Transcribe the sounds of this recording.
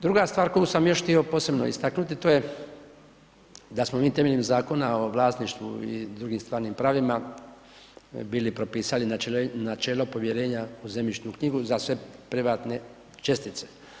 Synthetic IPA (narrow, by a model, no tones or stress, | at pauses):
d̪ɾuɡast̪vʋaːɾko̞jusamjo̞ʃht̪io̞po̞ːse̞bno̰ḭst̪aknut̪it̪oje̞ | d̪asmomiːt̪e̞meʎimzaːko̞nao̞ʋlaːst̪niʃt̪ʋuḭd̪ɾuɡimst̪ʋaːɾnimpɾaːʋima | biːlipɾo̞piːsalinanat͡ʃe̞ːlo̞po̞ʋje̞ɾe̞ːɲauzemit͡ʃnukɲiɡuzasʋe̞pɾiʋaːt̪ne̞ | t͡ʃe̞st̪it̪se̞̥